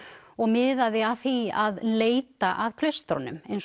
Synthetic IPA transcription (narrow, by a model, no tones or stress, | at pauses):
ɔɣmɪðaðɪaθiaðleːjt̪aʔaðkʰlœɥst̪ɾɔ̰nʏ̰mejns